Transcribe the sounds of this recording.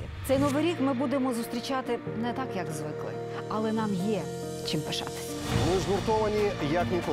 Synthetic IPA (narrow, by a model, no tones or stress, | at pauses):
t̪sɛjnɔʋɪjɾʲikmɪbud̪emɔzʊst̪ɾʲit͡ʃɑt̪ɪ | nɛt̪ɑkjɐkzʋɪklˠɪ̰ | ɐlˠɛnɑmjɛ | t͡ʃimpeʃɑ̰t̪ɪ̥sʲɐ̥nɪzɣʊrt̪ɔʋɐnʲijɐknʲikɔ